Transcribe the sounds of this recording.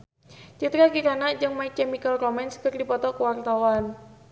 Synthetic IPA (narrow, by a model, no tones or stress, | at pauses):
t͡ʃit̪ɾakiɾanaʔd͡ʒɨŋmaikɛmikəlrɔmɛnskərdipɔt̪ɔkəwart̪awan